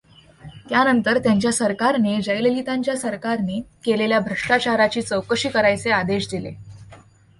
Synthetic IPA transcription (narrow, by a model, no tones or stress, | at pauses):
t̪janənt̪əɾt̪jaɲt͡ɕjasəɾkaɾned͡ʑəjlelit̪ãɲt͡ɕjasəɾkaɾnekeleljabʱɾəʂʈat͡ɕaɾat͡ɕiːt͡səwkəɕiːkəɾajt͡sead̪eɕd̪ilḛ